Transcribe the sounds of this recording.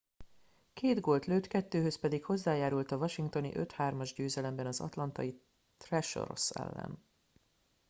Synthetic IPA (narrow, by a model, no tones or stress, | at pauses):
keːd̪ɡo̞lt̪løːt̪kɛt̪ːøːɦøspɛd̪ikho̞zːaːjaːɾult̪ɒvɒʃiŋkt̪o̞nḭʔø̞t̪haːrmɒʒɟøːzɛlɛmbɛnɒzɒ̰t̪lɒnt̪ɒ̰ji | t̪rɛʃo̰ɾo̰sɛ̰lːɛ̰n